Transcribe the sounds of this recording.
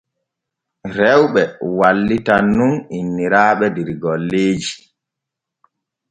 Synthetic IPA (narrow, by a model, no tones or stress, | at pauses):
ɾɛwɓɛwalːitanːuninːiɾaːɓɛdiɾɡɔlːeːd͡ʒi